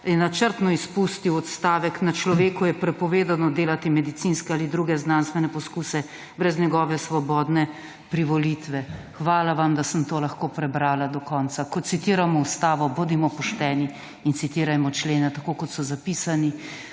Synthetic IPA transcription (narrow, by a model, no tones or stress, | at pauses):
jɛnat͡ʃəɾt̪nɔispust̪iwɔt̪st̪aːʋɛknat͡ʃlɔʋeːkujɛpɾɛpɔʋeːd̪anɔd̪eːlat̪imɛd̪it̪sinskɛalid̪ɾuɡɛznanst̪ʋɛnɛpɔskusɛ | bɾɛzɲɛɡɔːʋɛsʋɔbɔːd̪nɛ | pɾiʋɔlit̪ʋɛxʋaːlaʋamd̪asəmt̪oːlaxkoːpɾɛbɾaːlad̪ɔkɔːnt̪sakɔt̪sit̪iːɾamɔust̪aːʋɔbud̪imɔpɔʃt̪ɛːni | int̪sit̪iːɾajmɔt͡ʃleːnat̪akoːkɔt̪sɔzapiːsani